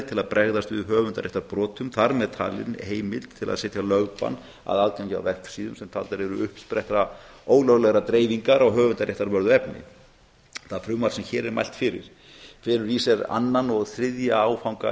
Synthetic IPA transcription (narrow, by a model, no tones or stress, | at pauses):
t̪ʰɪlaðpɾʔɛɣðast̪vɪ̰ðɦœːvʏnt̪aɾɛht̪aɾpɾɔːt̪ʰʏmθaɾmɛðt̪ʰa̰ːlɪ̰nheːjmɪlt̪ʰːɪla̰ðsɛt̪jalœɣpa̰n | a̰ðaːðkancɪa̰wvɛrksiːðʏmsɛmt̪ʰalt̪aɾɛɾʏʏhpspɾɛht̪ɾaoːwɣlœɣlɛɣɾat̪ɾeːjviŋkaɾaɣɦœːvʏnt̪aɾɛht̪aɾvœɾðʏɛpnɪ̰ | θaðfɾʏmaɾ̥sɛmçɛːɾɛɾma̰jlt̪fɪɾɪ̰ɾ̥ | fɪːɾʏɾisɛɾa̰nːanɔɣθɾɪðjaawfawŋka